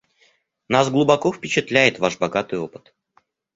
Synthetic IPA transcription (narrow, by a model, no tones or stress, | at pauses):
nasɡlˠʊbɐkofpʲɪt͡ɕɪt̪lʲæjɪt̪vaʂbɐɡat̪ɨjopɨ̥t̪